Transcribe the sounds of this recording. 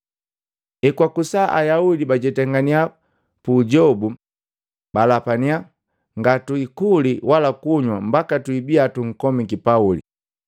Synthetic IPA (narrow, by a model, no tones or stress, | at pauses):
ɛkwakusaʔa̰jaudibaɟɛtɛŋɡania | puɟɔbu | balapania | ŋɡatuikuliwalakuɲwambakatuibiatuŋ̩kɔmikipaulḭ